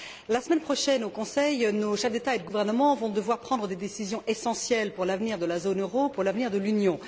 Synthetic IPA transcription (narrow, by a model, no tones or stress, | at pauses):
lasəmɛnpχɔʃɛnokɔ̃sɛjnoʃɛfd̪et̪aed̪əɡuvɛʁnəmɑ̃vɔ̃d̪əvwaʁpχɑ̃d̪ʁəd̪ed̪esizjɔ̃ʔesɑ̃sjɛlpuʁlavniʁd̪əlazonøʁopuʁlavniʁd̪əlynjɔ̃